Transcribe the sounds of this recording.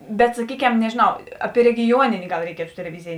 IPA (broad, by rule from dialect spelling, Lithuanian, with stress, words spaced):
bʲɛt sɐˈkʲiːˌkʲɛm nʲɛʒʲeːˈnɐʊ ˈɑːˌpʲiɛ rʲɛɡʲɪˈjuɔnʲɪnʲeː ɡɐlˠ rʲɛɪˈkʲiɛtʊ tʲɛlʲɛˈʋʲɪzʲɪjeː